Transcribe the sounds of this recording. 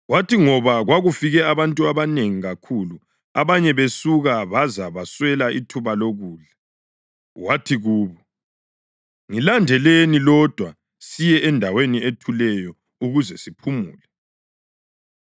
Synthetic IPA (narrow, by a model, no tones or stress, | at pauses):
watʰiŋɔβaɣwaɣufiɣɛaβantʼuaβaneŋiɣakʰulu | aβaɲɛβesuɣaβazaβaswɛlaʔitʰuβaloɣuːɮa | watʰiɣuːβɔ | ŋilandʱɛlenilɔd̥ʱwa | sijɛʔɛndʱawenietʰulɛjɔ | uɣuzɛsipʰumṵːlɛ